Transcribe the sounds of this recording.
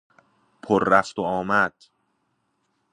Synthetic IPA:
pʰoɾːæft̪oɒːmæd̪̥

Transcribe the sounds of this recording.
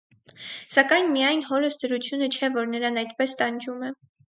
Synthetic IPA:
sɑkɑjnmijɑjnɦɔɾəsd̪əɾut͡sʰjunət͡ʃʰɛvɔɾnəɾɑnɑjt̪pɛst̪ɑnd͡ʒumɛ

